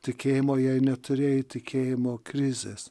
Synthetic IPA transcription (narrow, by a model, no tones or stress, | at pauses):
t̪ʲɪkʲeːjɪmoːjɛɪnʲɛt̪ʊɾʲeːjɪt̪ʲɪkʲʰeːjɪmoːkɾʲɪzʲeːs